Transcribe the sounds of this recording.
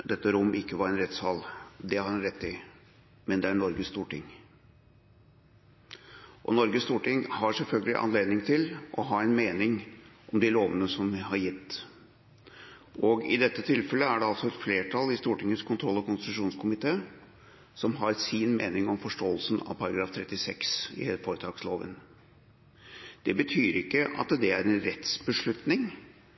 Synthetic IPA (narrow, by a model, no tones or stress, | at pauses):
d̪ɛt̪ːəɾʊmːʔɪkːəʋɑɾɛnɾɛt̪shɑld̪ɛhɑɾɛnɾɛt̪ʰːɪ | mɛnd̪ɛæɳɔɾɡəst̪uːʈɪŋ | ʔɔ̰nɔɾɡəst̪uːʈɪŋhɑɾsɛlfœlɡəlɪ̰ʔɑ̰nleːd̪nɪŋt̪ʰɪlʔɔɦɑːɛɪnmeːnɪŋʔɔmd̪ɪloːʋənəsɔmɦɑɾjɪt̪ː | ʔɔɡɪ̰d̪ɛt̪ːət̪ʰɪlfɛləæɖɛɑlsɔɛt̪fleːʈʰɑlːɪst̪uːʈɪŋəskʰʊnt̪ʰɾɔlːɔkʊnst̪ɪ̥t̪ʉʂuːnskʰʊmɪt̪ʰeː | sɔmɦɑɾsiːnmḛːnɪŋɔmfɔʂʈoːəlsn̩ɑ̰ʋpʰɑɾɑɡɾɑːft̪ʰɾɛt̪ːɪsɛksɪ̰foːɾət̪ʰɑːɡsloːʋə̰n | d̪̥ɛbət̪ʰyːɾɪkːəʔɑ̰t̪d̪ɛæɾɛnɾɛt̪sbəʂɭʉt̪nɪŋ